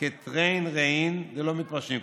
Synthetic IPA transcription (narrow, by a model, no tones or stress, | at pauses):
et̪ʁejnʁeind̪elomit̪̚paʁʃimk